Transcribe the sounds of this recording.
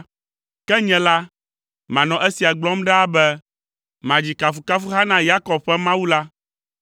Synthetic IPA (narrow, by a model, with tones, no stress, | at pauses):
kɛ˦ɲɛ̃˨la˦ | mã˨nɔ̃˨ʔɛ˦si˨a˨ɡ͡blɔ˦mɖɛ˦a˦bɛ˦ | mã˨d͡ʑi˨ka˨fu˨ka˦fu˦ɦa˦nã˦ja˦kɔ˨b̚ɸɛ˦mã˦wu˦la˦